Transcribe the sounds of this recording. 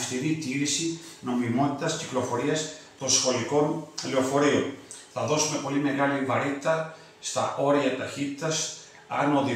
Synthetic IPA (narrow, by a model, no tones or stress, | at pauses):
ft̪iɾit̪iɾisino̞mimo̞t̪it̪ɐsciklo̞fo̞ɾiɐst̪o̞nsxo̞liko̞nleo̞fo̞ɾio̞nθɐðo̞sume̞po̞lime̞ɣɐlivɐɾit̪it̪ɐ | st̪ɐ̰ʔo̞ɾiɐt̪ɐçit̪it̪ɐs | ɐno̞ði